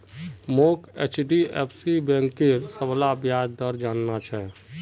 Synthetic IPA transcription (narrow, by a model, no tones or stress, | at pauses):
moket͡ʃɖiɛ̰ːpʰsibɛ̃ŋkːeɾsəblabjaːd͡ʒd̪əɾd͡ʒaːnnat͡ʃʰɛ